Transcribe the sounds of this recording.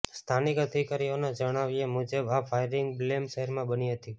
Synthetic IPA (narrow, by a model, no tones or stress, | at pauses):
st̪ʰanikɦət̪ʰikaɾioned͡ʒəɽ̃aʋiemud͡ʒəbafʰajɾɪŋɡblemʃəɦəɾmãbəniɦət̪i